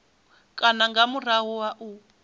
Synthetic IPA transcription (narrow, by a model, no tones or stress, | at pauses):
kʼanaŋɡamuraɦuwaʔuː